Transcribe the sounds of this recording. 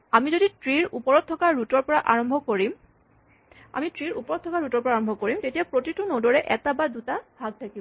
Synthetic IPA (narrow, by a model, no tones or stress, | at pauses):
amizoditɹiɹupɔɹɔt̚ʰːɔkaɹutɔɹpɔɹaʔaɹɔmbʱɔkoɹim | a̰mitɹiɹupɔɹɔt̚tʰːɔkaɹutɔɹpɔɹaɹɔmbʱɔkoɹimtetijapɹotitunodɔɹɛʔɛtabadutabʱaɡ̚tʰakibɔ